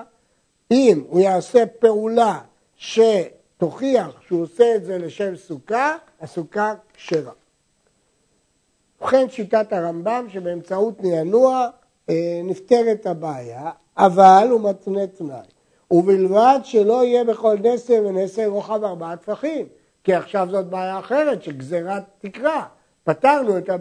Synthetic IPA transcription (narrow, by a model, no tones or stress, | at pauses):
imujaːse̞pe̞ula | ʃe | t̪o̞χiaχʃeuoseːtze̞le̞ʃe̞msuka | asukakʃeʁa | uχe̞nʃitataʁambamʃebe̞ːmt͡sautnejanua | nifteʁet̪abaːjaː | valumat͡snetna̰j | uvilvadʃelo̞ije̞be̞χo̞lneseveneseʁoχavaʁbaat̪faχim | kiaχʃavzo̞t̚baːjaːχe̞ʁe̞tʃeɡzeʁat̪ikʁa | pataʁnueta